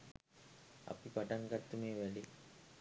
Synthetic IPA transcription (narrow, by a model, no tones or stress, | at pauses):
ɐ̰pipaʈaŋkat̪ːumeːʋɛli